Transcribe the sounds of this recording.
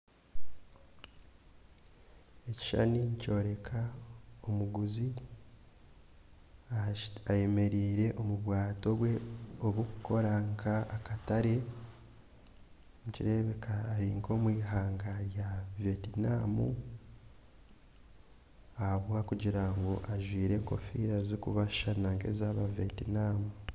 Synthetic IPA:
e̞ci̥ʃa̰niɲico̞ːɾe̞kʰaomuɡuzi | aje̞me̞ɾiːɾe̞ʔomuβwaːto̞ɡwe̞oβwokukʰo̞ɾaŋkʰaːkataɾe̞ | muciɾe̞βe̞kʰaːɾiŋko̞mwiːɦaːŋɡaɾjavetinaːmu | ahaβwakuɟiɾaŋɡo̞ʔaʒwiːɾe̞ŋko̞̰fḭɾazikuβaʃanaŋke̞̰zaβavetinaːmu

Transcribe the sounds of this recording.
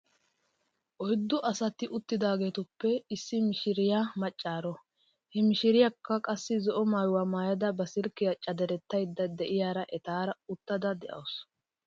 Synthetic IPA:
ʔɔjd̪ːɔʔɐsɐt̪ɪʔʊt̪ːɪd̪aːɡe̞ːt̪ʊpːɛɪsːɪmɪʃɪɾɪjamɐt͡ʃʼːaːɾɔ | hɛmɪʃɪɾɪjakːɐkʼɐsːɪzɔʔɔmaːjwamaːjɐd̪ɐbɐsɪɾkːɪjɐt͡ʃʼɐd̪ɛɾɛt̪ːɐjd̪ːɐd̪ɛʔɪjaːɾɐʔɛt̪aːɾɐʊt̪ːɐd̪ɐd̪ɛʔɐ̰ws

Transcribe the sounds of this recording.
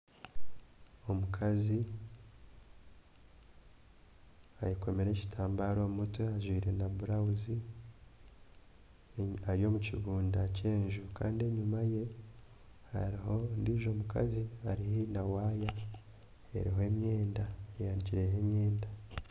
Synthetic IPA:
o̞mukʰazi | aɾiko̞me̞ɾe̞ci̥tʰaːmbaɾo̞mutweaʒwiːɾe̞nabuɾauzi | aɾijo̞muciɡuːndace̞ːɲʒuka̰ːndie̞ɲumaje̞ | haɾihondiʒo̞ːmuka̰ziaɾihinawaːja | e̞̰ɾiɦoemje̞ːndaejaːniciɾe̞ɦemje̞ːnda

